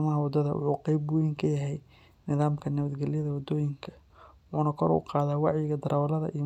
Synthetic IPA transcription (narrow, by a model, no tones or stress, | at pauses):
mɐɦɐwɑd̪ɐðɐ̰wʊ̰ħṵːqɛjbʊjɪŋkʰɐjɐɦɛj | nɪðaːmkʰɐnɐβɐd̪ɡɛlɪjɐðɐwɑd̪ɔːjɪŋkʰɐ̥ | ʔuːnɐkʰɔɾṵqɑːðaːwɑʕjɪɣɐd̪ɐɾʔaːwlɐðɐ̰ʔiː